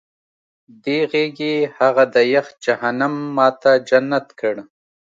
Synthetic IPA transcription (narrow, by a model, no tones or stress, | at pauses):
d̪eɣeɡehaɣad̪əjax̚d͡ʒaɦanamːɑːt̪ad͡ʒanat̪kəɽ